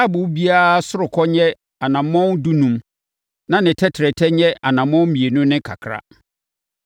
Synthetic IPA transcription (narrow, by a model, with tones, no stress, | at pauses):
a˦bʊ˨˦bi˦aː˦sʊ˦ɾʊ˨kʰɔ˦ɲɛ˦ | a˨nã˨mɔ̃˦ndu˦nũ˦m | nã˦nɪ̃˨tʰɛ˦tʰɾɛ˨tʰɛ˦ɲɛ̃˦a˨nã˨mɔ̃˦mĩ˨e˨nũ˦nɪ̃˦kʰa̰˨kʰɾa̰˦